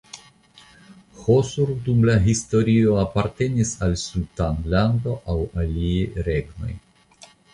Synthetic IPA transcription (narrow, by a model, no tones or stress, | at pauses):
hosuɾdumlaɦist̪o̞ɾio̞apaɾt̪e̞nisalsutanland̪o̞ʔawalieɾe̞ɡno̞̰j